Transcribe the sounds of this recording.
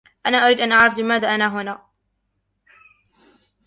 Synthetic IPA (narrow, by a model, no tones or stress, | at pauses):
ʔanaːʔʊɾiːd̪ʔanʔaʕɾɑfbɪmaːðaːʔanaːɦʊnaː